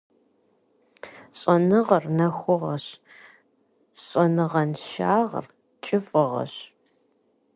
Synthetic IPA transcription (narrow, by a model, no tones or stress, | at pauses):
ɕʼɐnɨʁɐrnɐxʷʊʁɐ̰ɕ | ɕʼɐnɨʁɐnʃa̰ːʁɐ̰r | t͡ʃʼɪfʼɨʁɐ̰ɕ